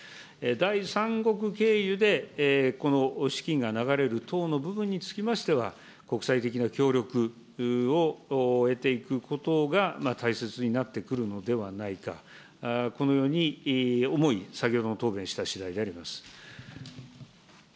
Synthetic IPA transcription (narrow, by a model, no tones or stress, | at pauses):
ed̪aisãŋɡo̞k̬ɯ̟ke̞ːjɯ̟d̪e̞ko̞no̞ɕi̥kʲĩŋɡanaɡaɾe̞ɾɯ̟t̪ʰo̞ːno̞bɯ̟bɯ̟̃ɲ̟ːit͡sɨ̥kʲimaɕi̥t̪e̞βa | ko̞kɯ̟̥sait̪e̞k̬ʲinakʲo̞ːɾʲo̞kɯ̟ | oe̞t̪e̞ikɯ̟kʰo̞t̪o̞ɡamat̪ʰaise̞t͡sɨɲ̟inat̪ːe̞kɯ̟ɾɯ̟no̞d̪e̞βanaika̰ | ko̞no̞jo̞ːɲ̟io̞mo̞isakʲo̞ːd̪o̞not̪o̞ːbẽ̞ɕi̥t̪aɕid̪aid̪e̞aɾʲimasɨ̥